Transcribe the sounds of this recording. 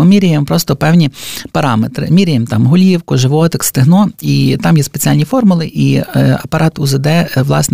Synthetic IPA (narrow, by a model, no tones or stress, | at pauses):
ʊmʲiɾʲɪjempɾɔst̪ɔpɛwnʲipɐɾɑmet̪ɾɪ̰mʲiɾʲɪjemt̪ɑmɦʊlʲiwkʊʒɪʋɔt̪ɪkst̪ɪɦnɔit̪ɑmjɛspet͡sʲialʲnʲifɔrmʊlˠɪʔiɐpɐɾʔɑt̪ʊzed̪ɛʋlˠɑ̰sn